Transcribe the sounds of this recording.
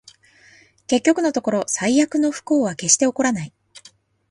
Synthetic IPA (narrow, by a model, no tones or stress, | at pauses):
ke̞kʲːo̞kɯ̟no̞t̪o̞ko̞ɾo̞saijakɯ̟no̞ɸɯ̥ko̞ːβake̞ɕi̥t̪e̞o̞ko̞ɾanai